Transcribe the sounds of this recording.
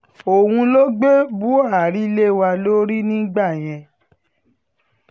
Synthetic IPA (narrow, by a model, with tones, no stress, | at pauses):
o˨wũ˧lo˦ɡ͡be˦bu˦a˦˨ɾi˦le˦wa˧lo˦ɾi˦nĩ˦ɡ͡ba˦˨j̃ɛ̃˧